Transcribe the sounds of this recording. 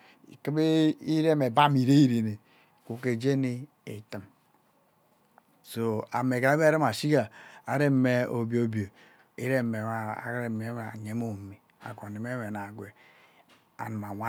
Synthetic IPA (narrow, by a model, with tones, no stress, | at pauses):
ki˦be˦i˦ɾe˦me˨ba˦mi˨ɾe˦i˦ɾe˨ne˨ | ku˨ke˨d͡ʒe˦ni˦ | ḛ˨ti˨m | so˨a̰˨me˨ka˨˦ɾi˦ma˨si˦ɡa˨a˨ɾe˦me˦o˨bi˨o˨˦bi˨o˨ | ḭ˦ɾe˦˨me˨a̰˦˨˦ɾe˨me˨˦m˨ɲe˨˦mo˨mi˨ | a̰˨ko˨ne˨me˦we˨na˨ɡʷe˨ | a̰˨ni˨ma˨wʷa˦